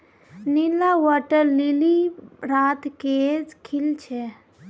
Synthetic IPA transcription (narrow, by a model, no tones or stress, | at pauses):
nilawɔʈəɾliliɾat̪ked͡ʒkʰilt͡ʃʰɛ